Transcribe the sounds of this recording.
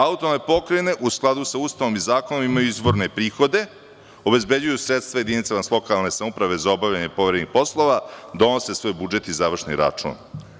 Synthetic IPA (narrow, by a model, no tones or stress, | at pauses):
aut̪oanepo̞kɾene̞ʔusklˠad̪usauːst̪aʋo̞mizaːko̞nomimajuizbo̞ɾne̞pɾiːxo̞d̪e̞ | o̞be̞zbe̞d͡ʑujusɾet̪st̪vajed̪init̪samaslˠo̞kalˠne̞samupɾaʋe̞zao̞bavʎaɲepo̞ʋɾed̪nixpo̞slˠo̞ʋad̪o̞nose̞sʋo̞jbud͡ʒe̞t̪izaʋr̩ʂʃnḭɾa̰t͡ʂṵːn